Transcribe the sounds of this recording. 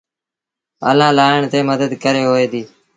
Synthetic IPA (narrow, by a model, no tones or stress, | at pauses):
ə̰lãːlaːɳt̪eːməd̪əd̪kəɾeːɦoːeːd̪iː